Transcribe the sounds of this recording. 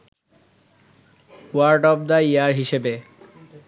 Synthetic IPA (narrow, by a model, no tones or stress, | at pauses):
waɾɖɔb̚d̪aiaɾɦiʃebe